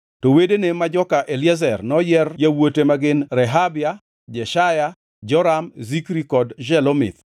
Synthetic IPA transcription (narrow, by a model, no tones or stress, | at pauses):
towedenemad͡ʒɔkaʔelazɛrnɔjɛrjawotemaɡɪnɾɛɦabja | d͡ʒɛʃaja | d͡ʒɔɾamzikɾikɔdd͡ʒɛlɔmɪ̰t̪